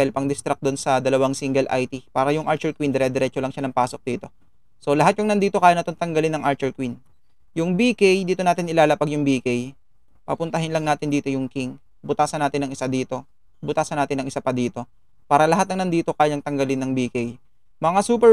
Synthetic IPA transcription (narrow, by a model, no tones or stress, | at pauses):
ɛlpɐŋd̪ɪst̪ɾɐk̚d̪onsɐd̪ɐlɐwaŋsiŋɡɛlʔa̰jt̪ipaːɾɐjʊŋʔaɹt͡ʃɛɹkwind̪ɛɾɛd̪ɛɾɛːt͡ʃolɐŋʃanɐŋpaːso̞k̚d̪iːt̪o̞ | so̞lɐɦat̪jʊŋnɐnd̪iːt̪o̞kaːjɐnɐt̪oŋt̪ɐŋɡɐlɪnːɐŋʔaɹt͡ʃɛɹkwin | jʊŋbiːkɛjd̪iːt̪o̞naːt̪ɪnʔɪlaːlɐpɐɡjʊŋbikɛj | pɐ̰pʊnt̪ɐɦɪnlɐŋnaːt̪ɪnd̪iːt̪o̞jʊŋkɪŋ | bʊt̪aːsɐnaːt̪ɪnɐŋɪsad̪iːt̪o̞ | bʊt̪aːsɐnːaːt̪ɪnɐŋʔɪsapɐd̪iːt̪o̞ | paːɾɐlɐɦat̪nɐŋnɐnd̪iːt̪o̞kaːjɐŋt̪ɐŋɡɐlɪnːɐŋbiːkej | mɐŋasuːpɛ